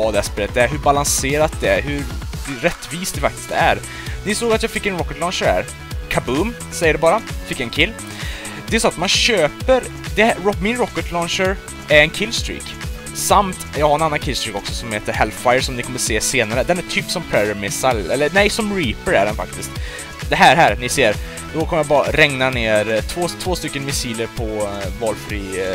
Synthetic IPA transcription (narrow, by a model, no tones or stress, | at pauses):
vɑːd̪ɛæspeːlət̪d̪æɾɦɵɾbalanseːɾat̪̚d̪ɛæɾɦɵɾɾɛt̪ːviːst̪d̪ɛfak̚t̪ɪ̥st̪æɾ | nɪsoːɡat̪jɑːɡfɪkːɛnɾɔkːəʈ̪lɔnʂəɾhæ̰ːɾ | kʰabʉːm | sɛjːəɖɛbɑːɾafɪkːɛnkʰɪlː | d̪ɛæsɔat̪manɕøːpəɾ | d̪ɛɾɔmɪnɾɔkːəʈlɔnʂəɾ | æɾɛnkʰɪlːst̪ɾḭːk | samt̪jɑːɡhaɾɛnanːankʰɪlst̪ɾiːkɔksɔsɔmheːt̪əɾhɛlfajəɾʂɔmnɪkʰɔmːəɾseːseːnaɾəd̪ɛnæʈʰyːpsɔmpʰɾɛɾmɪsalɛlːənɛjsɔmɾiːpəɾæ̰ɖɛnfa̰kt̪ɪst̪ | d̪ɛɦæːɦæːɾnɪseːɾ | d̪̥ɔkʰɔməjabɑːɾaɾɛŋnaneːɾt̪ʰvoːt̪ʰvoːst̪ʏkːənmɪsiːləɾpʰɔvɑːlfɾiː